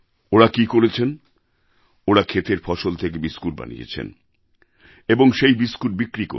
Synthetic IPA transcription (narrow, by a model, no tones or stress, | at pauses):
oɾakikoɾet͡ɕʰen | oɽakʰet̪eɾfɔʃolt̪ʰek̬ebiskuʈ̚ba̰nḭḛt͡ɕʰḛn | eboŋʃejbiskuʈ̚bikɾiko̰